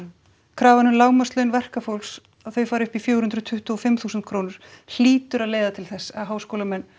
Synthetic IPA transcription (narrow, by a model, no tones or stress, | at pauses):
kʰɾaːvanʏlaːwmaslœɥnvɛr̥kafowls | aðθœɥfaːɾʏhpifjowɾ̥hʏnd̪ɾʏt̪ʰʏht̪ɔfɪmθuːsʏnt̪̚kʰɾoːwnʏɾ̥l̥iːt̪ʏɾaðleːjðat̪ʰɪlθɛsːaɦaːwskowlamɛnː